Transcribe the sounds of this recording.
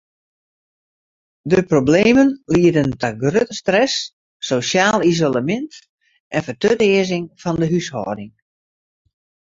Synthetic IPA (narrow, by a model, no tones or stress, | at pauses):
dəprobleːmənliədəntɔɡrøtəstrɛsː | oːsjaːlˠizoləmɪnt | ʔɛnfətøtɪːəzɪŋfɔndəɦyshɔ̰ːdɪŋ